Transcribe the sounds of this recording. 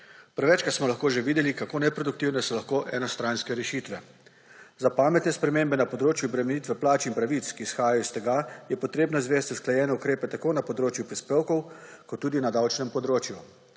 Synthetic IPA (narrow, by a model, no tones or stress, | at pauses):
pɾɛʋɛt͡ʃkat̪smɔlaxkoːʒeʋiːd̪ɛlikakoːnɛpɾod̪uk̚t̪iwnɛsɔlaxkoːʔɛnɔst̪ɾanskɛɾɛʃiːt̪ʋɛ | zapaːmɛt̪nɛspɾɛmeːmbɛnapɔd̪ɾoːt͡ʃjuɔbɾɛmɛnit̪ʋɛplaːt͡ʃinpɾaʋit̪skiːsxaːjajɔist̪ɛɡajɛpɔt̪ɾeːbnɔizʋeːst̪ʲusklajɛːnɛukɾeːpɛt̪akoːnapɔd̪ɾoːt͡ʃjupɾispeːwkɔwkɔt̪ːuːd̪inad̪awt͡ʃnɛmpɔd̪ɾoːt͡ʃju